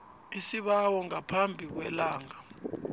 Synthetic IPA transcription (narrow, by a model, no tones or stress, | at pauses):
isiɓawɔŋapʰambʱik̬wɛlaːŋa